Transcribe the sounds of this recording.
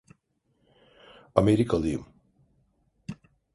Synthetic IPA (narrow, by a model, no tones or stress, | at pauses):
ameɾikʰalˠɯjɯ̰m